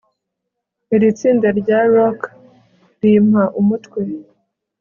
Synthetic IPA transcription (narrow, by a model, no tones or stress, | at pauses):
iɾit͡siːndaɾɟaɾok | ɾimhaʔumutwe